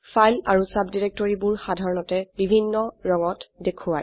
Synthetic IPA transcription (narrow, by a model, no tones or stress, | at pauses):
fajlaɹusabdiɹek̚tɔɹibʊɹxadʱaɹɔnɔtɛbibʱinːɔɹɔŋɔtdekʰuwaj